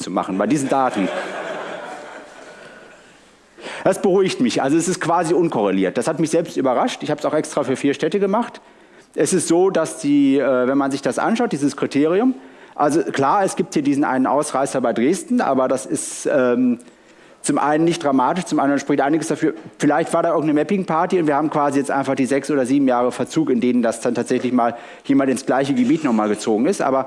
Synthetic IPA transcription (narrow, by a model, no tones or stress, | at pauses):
t͡suma̰χn̩baɪdiːzn̩daːtn̩ | d̥asb̥əʁuɪçtmɪçʔa̰lzoɛsɪstkv̥aːziʊnkʰɔʁeliːɐt̚d̥ashatmɪçz̥ɛlpstyːbɐʁaʃtɪçhaːbəsaʊxʔɛkstʁ̥aːfyːɐfiːɐʃtɛtəɡəmaχt | ʔɛsɪstz̥oːdasd̥iːʔɛːvɛnmanzɪçd̥asʔa̰nʃaʊt̚diːzəskʁ̥itʰeːʁiʊmʔalzokl̥aːɐɛsɡ̥iːp̚thiːɐdiːzn̩ʔa̰ɪnənʔa̰ʊsʁaɪsɐbaɪdʁeːstn̩ʔa̰ːbɐdasɪstʔɛːm | t͡sʊmʔa̰ɪnənːɪçtd̥ʁamaːtɪʃt͡sʊmʔandɐənʃpʁ̥ɪçtʔaɪnɪɡəsd̥afyːɐfɪlaɪçtv̥aːɐɾaːʔɪɐɡŋ̩tnəmɛpɪŋpʰaɐtiʊntv̥iːɐaːbm̩kv̥aːzijɛt͡stʔa̰ɪnfaχd̥iːzɛksʔoːdɐziːbm̩jaːʁəfɛɐt͡suːkɪndeːnəndasd̥antʰaːtz̥ɛçlɪçmaːl | jeːmantɪnsɡ̥laɪçəɡəbiːtnɔχmaːlɡət͡soːɡŋ̩ɪstʔa̰ːbɐ